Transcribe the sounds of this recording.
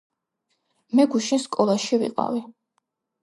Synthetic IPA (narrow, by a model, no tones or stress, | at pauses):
mɛɡuʃinskʼɔlˠaʃivḭqʼa̰vi